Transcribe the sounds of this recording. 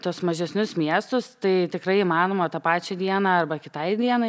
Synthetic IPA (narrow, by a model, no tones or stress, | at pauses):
t̪uɔsmɐʒʲɛsʲnʲʊsmʲiɛst̪ʊst̪ɐɪt̪ʲɪkɾɐɪimɑːnoːmɐt̪ɐːpɑːt͡ʃʲɛd̪ʲiɛnɑɐrbɐkʲɪt̪ɐɪd̪ʲiɛnɐɪ